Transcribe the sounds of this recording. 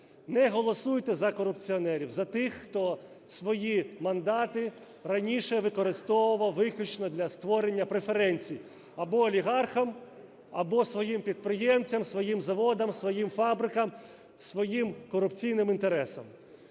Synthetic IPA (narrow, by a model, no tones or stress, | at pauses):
nɛɦɔlˠɔsujt̪ɛzɐkɔɾʊpt͡sʲiɔnɛɾʲiwzɐt̪ɪxːt̪ɔ | sʋɔjimɐnd̪ɑt̪ɪ | ɾɐnʲiʃɛʋɪkɔɾɪst̪ɔʋʊʋɔʋɪklʲut͡ʃnɔd̪lʲɐst̪ʋɔɾenʲːɐpɾe̞feɾɛnʲt͡sʲij | ɐbɔːlʲiɦɑrxɐm | ɐbɔsʋɔjimpʲid̪̚pɾɪjɛmt͡sʲɐmsʋɔjimzɐʋɔd̪ɐmsʋɔjimfɑbɾɪkɐm | sʋɔjimkɔɾʊpt͡sʲijnɪmint̪eɾɛsɐm